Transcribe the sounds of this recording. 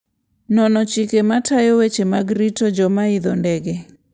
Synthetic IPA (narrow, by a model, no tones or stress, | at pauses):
nɔnɔt͡ʃikematʰajɔwet͡ʃemaɡɾitɔd͡ʒɔmaɪd̪ɔndɛɡɛ